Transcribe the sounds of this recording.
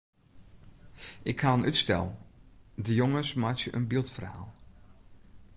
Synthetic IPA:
ʔɪkhaːənytstɛ̰lˠ | dəjoŋəsmaːtjəʔənbilˠtfərha̰ːlˠ

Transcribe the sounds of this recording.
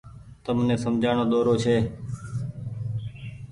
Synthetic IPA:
t̪əmnẽːsəmd͡ʒʱaːɳoːd̪oːɾoːt͡ʃʰeː

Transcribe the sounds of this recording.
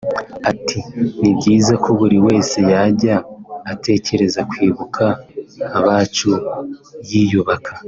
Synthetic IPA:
atʰinibɟiːzakoβuɾiwe̞ːse̞jaɟaːtʰe̞ce̞ɾe̞zakwiːβukʰaː | βaːt͡ʃu | jijuβakʰa

